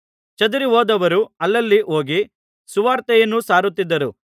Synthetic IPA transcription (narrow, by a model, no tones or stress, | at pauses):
t͡ʃɐd̪uɾiɦoːd̪ɐʋɐɾuɐlːɐlːiʔo̞ːɡi | suʋaːɾt̪ɛjɐnːusaːɾut̪ːid̪ːɐɾu